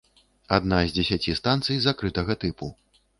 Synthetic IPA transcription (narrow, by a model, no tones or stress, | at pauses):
ad̪nazʲd͡zʲɛsʲat͡sʲist̪ant̪sɨjzakɾɨt̪ɐɣɐt̪ɨpu